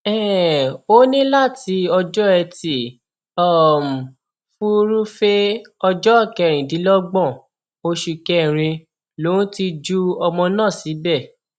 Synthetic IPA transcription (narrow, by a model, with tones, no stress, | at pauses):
ɛ˦˨o˦nĩ˦la˦˨ti˨˧˦ɔ˧d͡ʒɔ˦ɛ˧ti˨ | ɔ˦˨m˨ | fu˦ɾu˦fe˦ | ɔ˧d͡ʒɔ˦˨kɛ˧˨ɾ̃ĩ˨dĩ˨˦lɔ˦ɡ͡bɔ̃˦˨ | o˧ʃi˧kɛ˦˨ɾ̃ĩ˧ | lo˨˦ũ˦ti˧d͡ʒu˦ɔ˧mɔ̃˧nãː˦˨si˨˦bɛ˦˨